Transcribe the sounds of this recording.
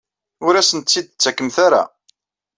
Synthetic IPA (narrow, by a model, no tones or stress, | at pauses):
ʊɾæsənt͡sːid̪̚t͡sːækːəmθaɾa̰